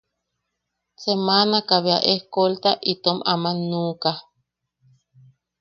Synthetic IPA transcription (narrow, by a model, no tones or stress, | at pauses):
semanakaβea̰ʔehkolt̪aʔit̪omamanũka